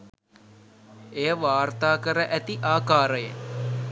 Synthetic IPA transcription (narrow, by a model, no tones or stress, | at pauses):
ejəʋaːrt̪aːkəɾəʔæt̪iʔaːkaːɾəjə̰